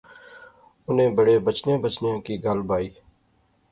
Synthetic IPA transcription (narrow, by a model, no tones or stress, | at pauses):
ʊnẽːbəɽebət͡ʃnẽbət͡ʃnẽkiɡəlbaːiː